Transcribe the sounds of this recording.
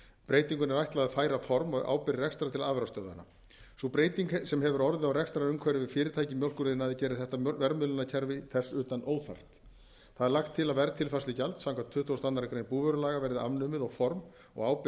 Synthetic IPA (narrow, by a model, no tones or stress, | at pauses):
pɾeːjt̪iŋkʏnɛɾajht̪laðafaːjɾafɔɾmɔa̰ːwpɪɾɪrɛkst̪ɾat̪ʰɪlaːðvɛɾast̪œːða̰na̰ | supɾeːjt̪iŋksɛmɦɛvʏɾɔɾðɪawrɛkst̪ɾaɾʏmkʰvɛɾɪvɪðfɪːɾɪɾt̪ʰajcɪmjowlkʏɾɪðɪnaðɪcɛːɾɪθɛht̪avɛɾmʏlʏnacʰɛɾvɪθɛsʏːt̪anoːwθa̰r̥t̪ | θaðɛɾlaxt̪ʰːɪlaðvɛɾat̪ʰɪlfaslɪcalt̪sawŋkʰvat̪ʰʏht̪ʰowst̪anaɾakɾejnpuːvœɾʏlaːɣavɛɾðɪa̰vnʏːmɪðaɣfɔɾm | ɔ̰ɣaːwp